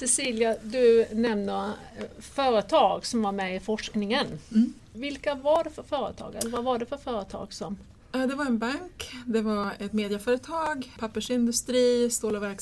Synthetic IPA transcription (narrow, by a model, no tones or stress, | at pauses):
sɛsiːljad̪ɵnɛmnə | fœːɾət̪ʰɑːɡsɔmvaɾmɛɪfɔʂknɪŋən | vɪlkavaɖɛfœɾfœːɾə̰t̪ʰɑ̰ːɡɛ̰lːəvavaɖɛfœɾfœːɾət̪ʰɑ̰ːɡsɔm | aːd̪ɛvaɾɛnbaŋkd̪ɛvaɾɛt̪meːd̪ɪafœːɾət̪ʰɑːɡpʰapːəʂɪnd̪ɵst̪ɾiːst̪uːlavæɾk